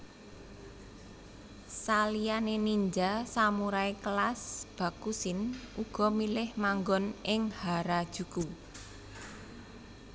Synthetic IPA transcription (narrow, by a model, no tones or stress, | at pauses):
salijaneniɲd͡ʒasamuɾaeklasb̥a̤kusɪnʔuɡ̥ɔ̤milɪhmaŋɡɔnʔɪŋhaɾad̥ʒ̥ṳku